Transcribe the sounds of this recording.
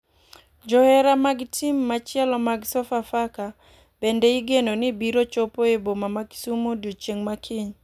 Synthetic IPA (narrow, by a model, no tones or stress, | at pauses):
d͡ʒɔhɛɾamaɡtʰimːat͡ʃɛlɔmaɡsɔfafaka | b̥endeɪɡenonɪbiɾot͡ʃopoebomamaɡsumodot͡ʃeŋmakʰɪɲ